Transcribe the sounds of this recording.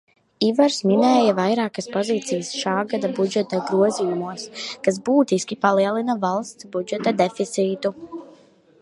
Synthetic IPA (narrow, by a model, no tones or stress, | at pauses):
ivaɾsminɛːjavajɾaːkəspoziːt̪sijəsʃaːɡad̪abud͡ʒɛt̪aɡɾuɔzijumuɔskas̬buːt̪iskʲipaliɛlˠinavalˠst̪sbud͡ʒɛt̪ad̪efit̪siːt̪u